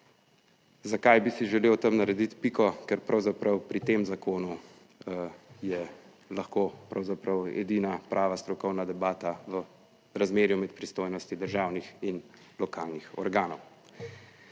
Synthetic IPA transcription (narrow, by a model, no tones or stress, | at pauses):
zakajbisiʒɛleːwt̪ɐmnaɾɛd̪it̪pikɔkɛɾpɾawzapɾɐwpɾit̪eːmzakoːnu | jɛ | laxkopɾawzapɾɐwɛ̰d̪inapɾʔaːʋast̪ɾɔkɔwnad̪ɛbaːt̪aʋə | ɾazmeːɾjumɛt̪̚pɾist̪oːjnɔst̪id̪əɾʒaːwnixin | lɔkaːlnixɔ̰ɾɡaːnɔw